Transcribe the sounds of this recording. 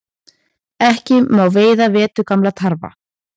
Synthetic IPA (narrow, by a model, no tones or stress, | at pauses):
ɛhcɪmaːwveːjðavɛːt̪ʏkamlat̪ʰaɾva̰